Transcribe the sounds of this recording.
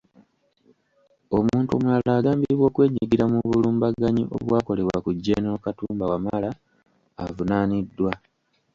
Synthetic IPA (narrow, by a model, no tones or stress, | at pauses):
o̞muːntṵmwalaːɡaːmbiɾiβwo̞ːkwe̞ːɲiɡiɾamuβuluːmbaɡaɲiʔo̞̰βwaːko̞le̞βwakuɟːeːnokatuːmbawamala̰ː | vunaːnidːwa